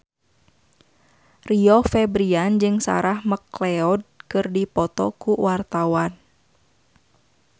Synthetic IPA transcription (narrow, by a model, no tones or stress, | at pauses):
riɔfɛbɾiand͡ʒɨŋsa̰ɾahməklɛɔd̚kɨrdipɔt̪ɔ̰kuwart̪awan